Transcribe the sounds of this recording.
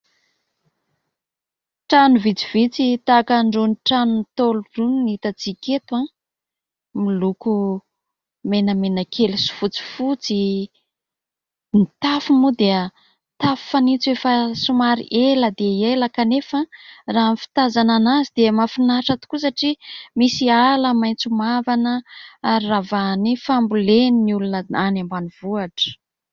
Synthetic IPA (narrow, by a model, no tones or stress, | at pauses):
ʈ͡ʂanuvit͡siv̥it͡sit̪akaɳɖ͡ʐonʈ͡ʂanunt̪olurunnit̪at͡siket̪wa | miluku | menəmenəkʰelisu̥fut͡si̥fut͡si | nit̪afumud̪eə | t̪afi̥fanit͡suefəsumaɾḭʔeləd̪eielakanefəraːɦmfi̥t̪azananazid̪̥emafinaʈ͡ʂat̪u̥kusaʈ͡ʂimisialəmajnt͡sumavanəaɾiravanifambuleniniulunəanambaniv̥uaʈ͡ʂə̥